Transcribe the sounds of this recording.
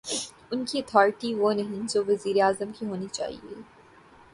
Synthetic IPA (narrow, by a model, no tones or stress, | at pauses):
ʊnkiɐt̪ʰɔːɾʈiʋonɐɦĩd͡ʒoʋɐziːɾeaːzəmkiɦoːnit͡ʃa̰ːɦḭḛː